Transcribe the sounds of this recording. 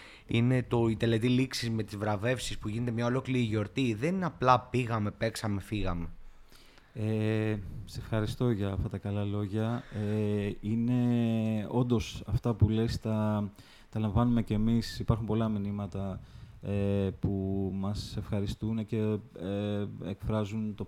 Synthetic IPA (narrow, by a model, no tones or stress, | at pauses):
ine̞t̪o̞it̪e̞le̞t̪iliksizme̞t̪izvɾɐve̞fsispuʝine̞t̪emɲɐo̞lo̞kliɾiʝo̞ɾt̪iðe̞nnɐplɐpiɣɐme̞pe̞ksɐme̞fiɣɐme̞ | e | se̞fxɐɾist̪o̞ʝɐːft̪ɐt̪ɐkɐlɐlo̞ʝɐeine̞ | o̞nd̪o̞sɐft̪ɐpulest̪ɐ | t̪ɐlɐ̃ɱvɐnumece̞ːmisipɐɾxumpo̞lɐminimɐt̪ɐepumɐse̞fxɐɾist̪unce̞eekfɾɐzunt̪o